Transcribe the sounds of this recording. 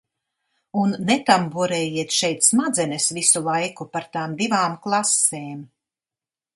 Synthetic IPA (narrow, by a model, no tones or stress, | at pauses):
unːɛt̪ambuɔɾɛːjiɛt̪ʃɛjt̪smad̪zɛnɛsvisulˠajkupaɾt̪aːmd̪ivaːmklˠaseːm